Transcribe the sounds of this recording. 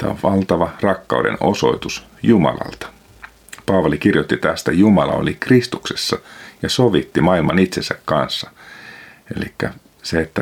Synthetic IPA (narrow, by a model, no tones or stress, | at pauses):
t̪æ̰ʋɑlt̪ɑʋɑrɑkːɑude̞̰no̞so̞it̪us | jumɑ̰lɑ̰lt̪ɑ̥ | pɑːʋɑlikirjot̪ːit̪æst̪æjumɑlɑ̰o̰likrist̪ukse̞sːɑjɑsoʋit̪ːimɑilmɑnit̪sensækkɑnsːɑ | e̞̰likːæ | seet̪ːæ